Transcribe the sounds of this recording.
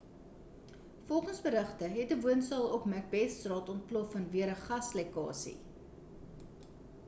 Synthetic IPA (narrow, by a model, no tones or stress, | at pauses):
fɔlˠχənsbəɾəχtəɦɛtəvuənsɑlˠɔkmæk̚bɛsrɑːtɔnt̚plɔfːɐnviəɾəχɐslekɑ̰ːsḭ